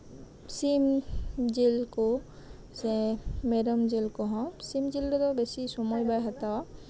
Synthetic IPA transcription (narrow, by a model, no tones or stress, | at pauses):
simd͡ʒilko | sɛ̃meɾɔmd͡ʒelkɔɦɔ̃simd͡ʒilɾɔd̪ɔbesisɔmɔjbajɦat̪aw